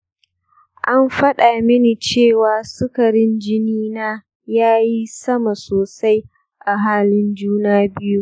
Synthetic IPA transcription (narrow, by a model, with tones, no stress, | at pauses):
ʔa˦mɸɐ˦ɗa˨mɪ˦ni˨t͡ʃeː˦˨waː˨sʊ˦kɐ˨ɾɪ˦nd͡ʒɪ˦niː˦naː˦ | jaː˦ji˦sɐ˦ma˨soː˨sa˦j | ʔa˨ɦaː˦lɪ˦nd͡ʒuː˦naː˦bɪ˦ju˦ʔ